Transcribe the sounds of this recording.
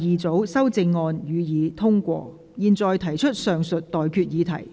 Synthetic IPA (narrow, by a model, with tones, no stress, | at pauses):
jiː˨˩t͡so˨˥wsɐ˥wt͡sɪ˧ŋːɔː˧njyː˨˧jiː˨˧t̪ʰʊ˥ŋkʷɔ̰ː˧ | jiː˨nt͡sɔː˨jt̪ʰɐ˨˩jt͡ʃʰɵ˥t̚sœː˨ŋsɵ˨t̚t̪ɔː˨˩jkʰyː˧t̚jiː˨˧t̪ʰɐ˨˩j